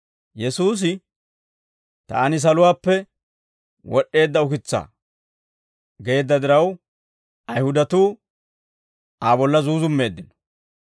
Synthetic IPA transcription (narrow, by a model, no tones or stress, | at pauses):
jɛsuːs̬ɪ | t̪a̰ːnɪs̬ɐlʊwaːpːɛ | wɔɗːe̞ːd̪ːɐʊkɪt͡sːa̰ː | ɡe̞ːd̪ːɐd̪ɪɾɐw | ɐjhʊd̪ɐt̪uː | aːbɔlːɐzuːzʊmːe̞ːd̪ːɪnɔ̥